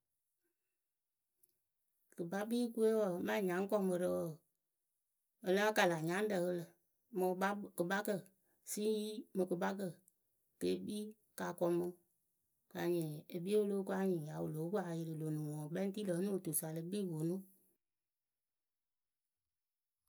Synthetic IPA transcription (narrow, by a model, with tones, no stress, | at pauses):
kɨ˨ba˦biː˦ku˦e˦wɔ˨mã˦˨ɲã˨˦ŋ˦kɔ˦˨mə˧ɾə˧˦wɔ˨ | ə˨lã˦ka˨la˨ɲã˨˦n̩˦də˨ɣə˧lə˨ | mɨ˨˦kɨ˨ba˦kə˦˨ | si˦ji˦mɨ̃˨kɨ˨ba˦k̬ə˦˨ | ke˨˦biː˦ | ka˨kɔ˧mɨ̃˧˦ | ka˨ɲĩ˨e˨bi˦e˦wo˦lo˨˦ku˦a˧˦ɲĩ˨ja˨˦wo˨lo˨˦ku˦a˨˧ji˧ɾɨ˨lo˨nũ˨wɔ̃˨ɓɛ̃˦ti˦lə˨˦nũ˦˨tu˨sa˨lɨ˧˦biː˦˨wo˨nũ˦